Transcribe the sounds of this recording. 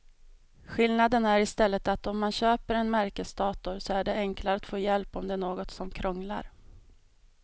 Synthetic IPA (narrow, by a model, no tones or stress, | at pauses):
ɧɪlnad̪ənæɾɪst̪ɛlːət̪at̪ɔmːanɕøːpəɾɛnmæɾkəsd̪ɑːt̪ʊɾsɔæɖɛɛŋklaɾat̪foːjɛlpɔmd̪ɛæɳoːɡɔt̪sɔmkʰɾɔŋla̰ɾ